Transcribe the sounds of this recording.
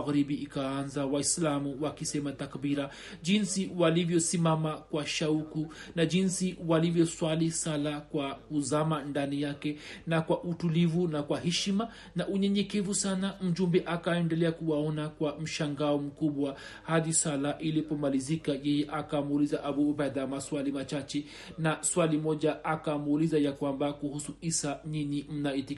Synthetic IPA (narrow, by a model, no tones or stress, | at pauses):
ɣɾiɓiːkaanzawaislamuwakisɛmatakbiɾa | ʄinsiwalivjɔsimamakwaʃaukunaʄinsiwalivjɔswalisalakwakuzamandanijakɛnakwaʔutulivunakwaɦɛʃima | naʔuɲɛɲɛkɛvusanam̩ʄumbɛʔakaɛndɛlɛakuwaɔnakwam̩ʃaŋɡaɔm̩kuɓwa | haðisalaʔilipɔmalizikajɛjɛʔakamulizaʔabubaðamaswalimat͡ʃat͡ʃɛ | naswalimɔʄaakamulizajakwambakuhusuisaɲiɲim̩naiti